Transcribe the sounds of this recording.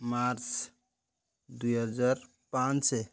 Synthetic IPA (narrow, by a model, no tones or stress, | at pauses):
maɾt͡ʃ | d̪ujɦəd͡ʒaɾ | pãne